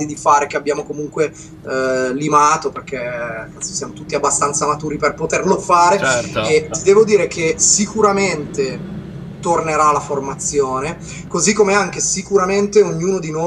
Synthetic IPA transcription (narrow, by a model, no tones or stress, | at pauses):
d̪id̪ifaːɾek̟eabːjaːmokomuŋkwe | limaːt̪operk̟eani̥sjaːmot̪ut̪ːiabːast̪ant̪samat̪uːɾiperpot̪erlofaːɾeet̪id̪ɛːvod̪iːɾekʰesikuɾament̪e | t̪orneɾaːlːaformat̪sjoːne | kozikːomeaŋkesikuɾament̪eoɲːuːnod̪ino